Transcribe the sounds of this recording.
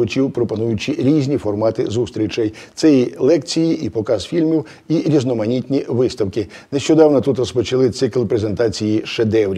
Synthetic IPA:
ʊt͡ʃʲiwpɾɔpɔnujʊt͡ʃɪɾʲizʲnʲifɔrmɑt̪ɪzust̪ʲɾʲit͡ʃɐjt̪sɛjilˠɛkt͡sʲijiʔipɔkɑzfʲilʲmʲiw | iɾʲiznɔmɐnʲit̪ʲnʲiʋɪst̪ɐwkɪ | neʃt͡ʃɔd̪ɑwnɔt̪ut̪rɔspɔt͡ʃɐlˠɪt̪sɪklʲˠpɾeze̞nt̪ɑt͡sʲijiʃed̪ɛwɾʲ

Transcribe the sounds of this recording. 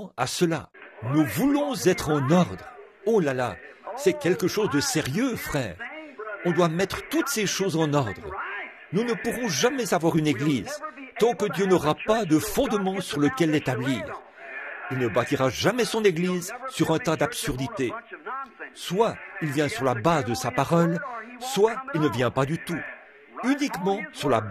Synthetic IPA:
a̰səla̰nuvulɔ̃zɛt̪χɑ̃nɔʁd̪ʁ | olala̰sɛkʲɛlkəʃozd̪əseʁjøfχɛːʁɔ̃d̪wamɛt̪χət̪ut̪seʃozɑ̃nɔʁd̪ʁ | nunəpuʁɔ̃ʒamɛzavwaʁyneɡliːzt̪ɑ̃kəd̪jønɔʁapad̪əfɔ̃d̪mɑ̃syʁləkʲɛlːet̪abliːʁ | ilnəbat̪iʁaʒamɛsɔ̃neɡlizsyʁɛ̃t̪ad̪apsyʁd̪it̪e | swailvjɛ̃syʁlabazd̪əsapaʁɔlswailnəvjɛ̃pad̪yt̪u | ynikmɑ̃syʁla̰

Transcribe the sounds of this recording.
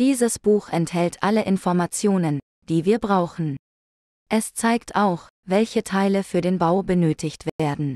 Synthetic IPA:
d̥iːzəsb̥uːxʔɛnthɛltʔaləʔɪnfɔɐmat͡sjoːnən | d̥iːviːɐbʁaʊxn̩ | ʔɛst͡saɪktʰaʊx | vɛlçətʰaɪləfyːɐdeːnbaʊbənøːtʰɪçtv̥eːɐdn̩

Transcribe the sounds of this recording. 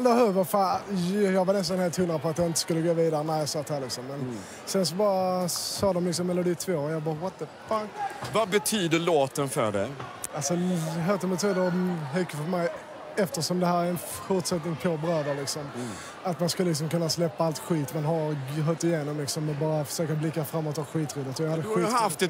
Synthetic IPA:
ad̪ɛhøvəfajɑːɡvaɾnɛst̪anheːlt̪hɵnɾapʰɔat̪d̪ɛɪnt̪əskɵlːəɡoːviːd̪aɾənæɪjɑsɑːt̪ʰhæːlɪksɔmːɛn | sɛns̬ɔbɑːɾasɑːd̪ɔmlɪks̬ɔmːɛlʊd̪iːt̪ʰvoːɔjɑbɑːɾwɔt̪ːəfakvabɛt̪ʰyːd̪əloːt̪ənfœ̰ɖɛ̰alsɔɦœːɾt̪ɛmbɛt̪ʰyːd̪əɾɦɛkːəfœɾmɛj | ɛft̪əʂɔmd̪ɛɦæːɾæɛn | fʊʈʂɛt̪nɪŋpʰɔbɾøːd̪əlɪksɔm | at̪manskɵlːəlɪks̬ɔmkɵnːaslɛpːaalt̪ɧiːt̪manɦaɾɦœt̪ɪjeːnɔmlɪksɔmːɛnbɑːɾafə̥ʂøːkablɪkːafɾamːoːt̪ːɑɧiːt̪ɾuːd̪ət̪ɔjɑhad̪ːəɧiːaft̪ɛ

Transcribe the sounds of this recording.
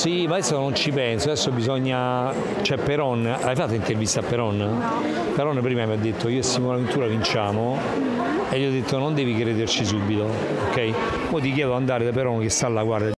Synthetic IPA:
simaesːonont͡ʃipɛnsoad̪ɛsːobizɔɲːa | t͡ʃɛpːeɾɔnː | ʔajfat̪ːaint̪ervist̪apːeɾɔn | peɾɔnːpɾiːmamiad̪ːet̪ːoiːoest̪ːiŋmlavent̪uːɾavint͡ʃaːmo | elːiːɔd̪ːet̪ːonond̪ɛːvikɾeːd̪ert͡ʃis̬ubːit̪o | okːɛj | pɔjt̪̬ik̬jɛːd̪oand̪aːɾed̪ap̬eɾɔnk̟est̪alːaɡwaɾd̪a

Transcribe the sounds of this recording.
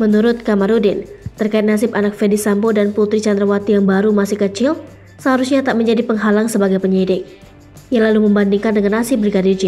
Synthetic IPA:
mənuɾʊt̪̚kamaɾudɪnt̪ərkaɪt̪̚nas̬ɪpanak̚fɛdisambodanput̪ɾit͡ʃand̪ɾawat̪ijaŋbaɾumasɪhkət͡ʃɪl | səɦaɾusɲat̪aʔməɲd͡ʒadipəŋɦalaŋsəbaɡajpəɲidɪk̚ | jaŋlaluməmbandiŋkandəŋanːasɪp̚bɾiɡadird͡ʒi

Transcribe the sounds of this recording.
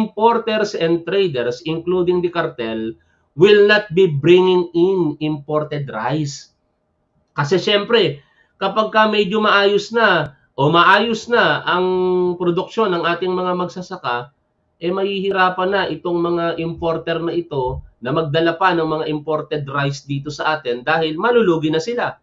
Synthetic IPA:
ɪmpoɾt̪ɛɾsɛnd̪̚t̪ɾɛjd̪ɛɾsɪŋkluːd̪ɪŋd̪ɐkɐɾt̪ɛl | wɪlnɐt̪̚bibɾɪŋɪŋɪnɪmpo̞ɾt̪ɛd̪ɾajs | kɐsɛʃɛmpɾɛ | kɐpaɡ̚kɐmɛd͡ʒomɐʔaːjosnɐ | ʔomɐʔaːjosnɐʔɐŋpɾod̪ʊk̚ʃo̞nɐŋʔaːt̪ɪŋmɐŋamɐɡsɐsɐka | ʔɛmɐhihɪɾaːpɐnːɐʔɪt̪o̞ŋmɐŋaʔɪmpo̞ɾt̪ɛɾnɐʔɪt̪o̞nɐmɐɡ̚d̪ɐlɐpanɐŋmɐŋaʔɪmpo̞ɾt̪ɛd̪ɾajsd̪iːt̪o̞sɐʔaːt̪ɛnd̪aːhɪlmɐluluːɡɪnɐsɪla

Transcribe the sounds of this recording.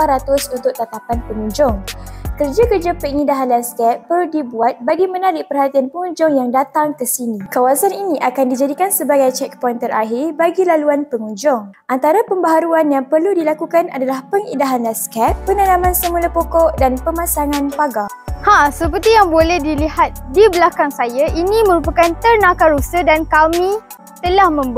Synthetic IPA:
ɾat̪ʊsunt̪ʊʔt̪ːat̪apanpəŋũɲd͡ʒʊŋkərd͡ʒakərd͡ʒapəŋidaɦanlanskɛt̪̚pərludibuat̪̚baɡimənaɾɪʔpərɦat̪ianpəŋũɲd͡ʒʊŋjaŋdat̪aŋkəsinĩkawasaniniʔakandid͡ʒadikansəbaɡajt͡ʃɛk̚pɔjnt̪ərʔaɦirbaɡilaluanpəŋũɲd͡ʒʊŋʔant̪aɾapəmbaɦaɾuanjaŋpərludilakukana̰dalahpəŋḭdaɦanlaskɛt̪̚pənanãmãnsəmulapokɔʔdanpəmãsaŋãnpaɡa | hãsəpərt̪ijaŋbolɛhdilihat̪̚dibəlakaŋsajaʔiniməɾupakant̪ərnãkaɾusədankamĩ | t̪əlahmə̃mb

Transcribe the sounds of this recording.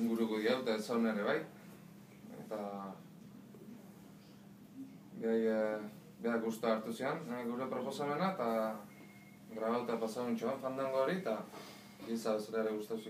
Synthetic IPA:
ŋɡuɾukuðiawt̪asawneɾe̞βaj | ḛt̪a | ɡaj | beakɣust̪oaːɾt̪usienɡuwɾe̞pɾo̞po̞same̞nat̪a | ɡɾaβawt̪apasaɣunt͡ʃoaɱfand̪aŋɡoːɾit̪a | ɡisaβesaɾaeɾeɣust̪aus

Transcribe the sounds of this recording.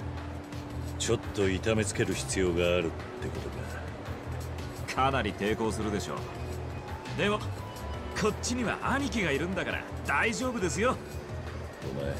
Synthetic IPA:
t͡ɕo̞t̪ːo̞it̪ame̞t͡sɨ̥ke̞ɾɯ̟çi̥t͡sɨjo̞ːɡaːɾɯ̟t̪ːe̞ko̞t̪o̞ɡa̰ | kʰanaɾʲit̪e̞ːko̞ːsɨɾɯ̟d̪e̞ɕo̞̰ː | d̪e̞mo̞ | kʰo̞t͡ɕːiɲ̟iβa̰ʔaɲ̟ik̬ʲiɡaiɾɯ̟̃nd̪akaɾa̰d̪̥aiʑo̞ːbɯ̟d̪e̞s̬ɨjo̞ | ona̰

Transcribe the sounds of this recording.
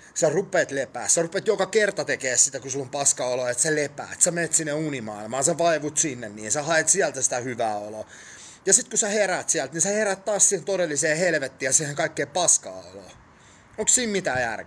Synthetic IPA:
serupːˑeːt̪lepæ̰ːsserupet̪jokɑkert̪ɑt̪ekeːssit̪ækusilːompɑskɑoloet̪sælepæ̰ːt̪semeːt̪sinːeunimɑ̰ilmɑːseʋɑiʋut̪sinːenniːnsæhɑet̪siælt̪æsi̥t̪æhyʋæːolo | jɑsit̪kusæheɾæːt̪siælt̪niseheɾæt̪t̪ɑːssiːhent̪odelːiseːhelʋet̪ːiːjɑsiːheŋkɑikːeːpɑskɑ̰ːo̰lo̰ː | oŋkssiːmmit̪æːjæ̰rk

